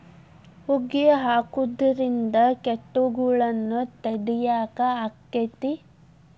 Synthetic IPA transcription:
huɡijɐɦaːkud̪ɐɾind̪ɐkeʈːuɡuɭɐnːut̪ɐɽijaːkɐakːet̪i

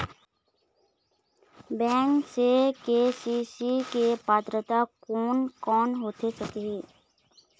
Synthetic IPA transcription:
bɛ̃ːŋksekeːsisikepaːt̪ɾət̪akoːnkɔːnɦoːt̪esəkeɦɛː

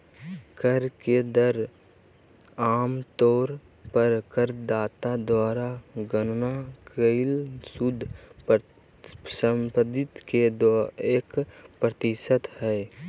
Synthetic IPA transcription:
kəɾked̪əɾ | aːmt̪oːɾ | pəɾkəɾd̪aːt̪ad̪waːɾaɡənnakəɪlsud̪ʱ | səmpəd̪ɪt̪ked̪eːkpɾət̪ɪsət̪hɛː

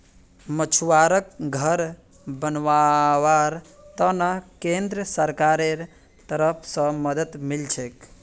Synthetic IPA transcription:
mət͡ʃʰuwaɾək̚ɡʱəɾ | bənʋawaɾ | t̪ənakend̪ɾəsəɾkaɾeɾ | t̪əɾəpʰsə̃məd̪ət̪milt͡ʃʰek

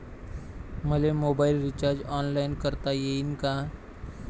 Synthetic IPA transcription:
məlemoːbaːɪlɾɪt͡ʃaːɾd͡ʒɔːnlaːɪnkəɾt̪ajeɪnka

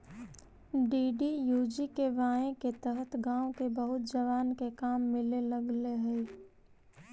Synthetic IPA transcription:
ɖiːɖijuːd͡ʒikeʋãːẽket̪əɦət̪ʰɡãːokebəɦʊt̪̚d͡ʒɐʋaːnkekaːmːɪleləɡleɦɛe

